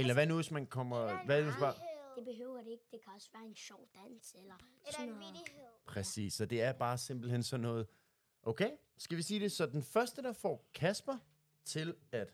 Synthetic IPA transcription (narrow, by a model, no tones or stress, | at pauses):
elɐʋænuʋe̝smænkʰɒ̽m̰ɐʋæmænsb̥ɑ̈d̥e̝b̥e̝ɦøʊ̰ɐɾ̥eeɡ̥̚d̥e̝kʰæɒ̽sʋæːɐenɕɒʊ̰d̥æn̰selɐsn | pʰʁɛsḭːsɒ̽d̥e̝æɐb̥ɑ̈ːse̝mb̥l̩ɦensɒ̽nːɔ̽ːð̞̩ˠ | ʔoʊkʰeɪ | sɡ̥æʋisiːd̥e̝sɒ̽d̥enfɶɐsd̥əd̥ɑ̈fɒ̰ːkʰæsb̥ɐ | t͡sʰe̝læd̥